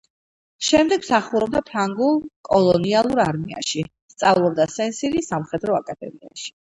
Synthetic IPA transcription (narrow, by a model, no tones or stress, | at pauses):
ʃɛmd̪ɛɡmsaχuɾɔb̚d̪apʰɾaŋɡulˠkʼɔlˠɔnialˠuɾaɾmia̰ʃi | st̪sʼavlˠɔb̚d̪asɛnsiɾisamχɛd̪ɾɔakʼad̪ɛ̰miaʃi̥